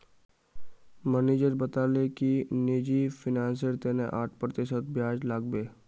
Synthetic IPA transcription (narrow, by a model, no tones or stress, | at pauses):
mɛːneːd͡ʒəɾbət̪aːlekineːd͡ʒifʰɪnãːns̬əɾt̪eːneʔaːʈʰpɾət̪ɪʃət̪̚bjaːd͡ʒlaːɡ̚beː